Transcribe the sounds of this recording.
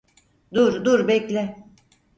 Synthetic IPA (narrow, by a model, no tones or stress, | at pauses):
d̪uɾd̪uɾbɛclʲɪ